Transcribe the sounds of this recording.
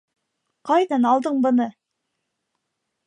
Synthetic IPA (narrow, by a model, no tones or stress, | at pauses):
qʰɑjd̪ɑnɑlˠd̪əɴbə̆nə